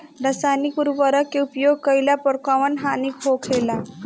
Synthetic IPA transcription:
ɾəsanikuɾubəɾəkːiupjoɡ̚kəjljapəɾkaʋənɦanikɦokʰela

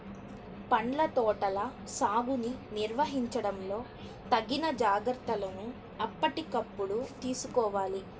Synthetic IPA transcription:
pɐɳlɐt̪ɔːʈɐlɐsaːɡuniniɾʋɐɦiɲt͡ʃɐɽɐmlo̞ː | t̪ɐɡːinɐd͡ʒaːɡɾt̪ːɐlɐnu | ɐpːɐʈikɐpːuɽut̪iːsukɔːʋaːli

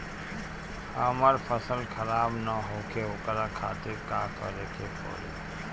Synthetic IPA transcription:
aməɾfɐsəlkʰɐɾaːbnɐɦoːkʰeɦokəɾakʰa̰ːt̪ɪɾkaːkʰɐ̰ɾeːkʰekʰo̰ːlḭː

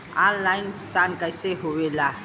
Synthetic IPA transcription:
anlajint̪ankəjseɦowelaɦ

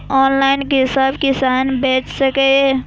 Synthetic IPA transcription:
ɔːnlaːɪnkeɦɪsaːbkɪsaːnbeːt͡ʃsɐkee

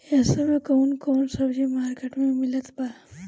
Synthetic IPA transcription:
jasəmekəunkəunsəbd͡ʑimaɾkeʈʰmemilət̪ba

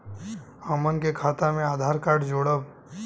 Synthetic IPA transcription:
aːmənkekʰaːt̪amẽaːd̪ʱaːɾkaːɾʈd͡ʒoːɽəb

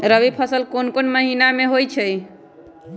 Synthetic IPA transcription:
ɾəbipʰəsəlkonkonməɦinameɦojt͡ʃʰəj

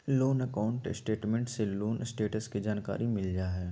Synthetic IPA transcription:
loːnəkaːʊ̃ɳʈsʈeːʈmẽːɳʈseloːnsʈeːʈəskid͡ʒaːnka̰ːɾʔimɪld͡ʒaːɦɛː

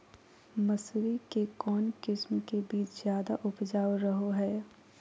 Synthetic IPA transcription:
mɐsɾikekɔːnkɪsmkebiːt͡ʃzjaːd̪aʔʊpd͡ʒaːwɾɐɦoɦɛː

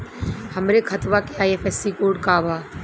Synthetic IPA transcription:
hɐmɾekʰɐt̪ʋakeaːiefɛsikoːɖkaːʋaː

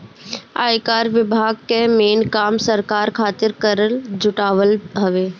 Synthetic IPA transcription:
a̰ːjkaːɾʋɪbʱaːɡ̚kemeːnkaːmsəɾkaːɾkʰaːt̪ɪɾkəɾəld͡ʒʱʊʈaːʋəlɦɐʋeː

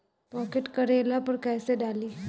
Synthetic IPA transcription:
pɔːkɪʈkəɾeːlapəɾkɛːseɖaːliː

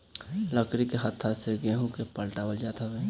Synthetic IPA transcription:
ləkɾikeɦɐt̪ʰːaseɡẽːɦũkepəlʈabəld͡ʒaːt̪ʰabeː

